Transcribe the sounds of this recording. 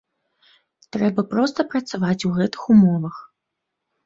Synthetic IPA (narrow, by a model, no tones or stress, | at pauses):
t̪ɾɛbɐpɾɔst̪ɐpɾɐt̪savat͡sʲuɣɛt̪ɨ̥xumɔvɐx